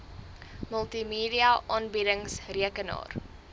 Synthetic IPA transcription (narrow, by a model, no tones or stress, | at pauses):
məlˠtimiːdiɐʔɑːnbidəŋsriəkənɑ̰ːr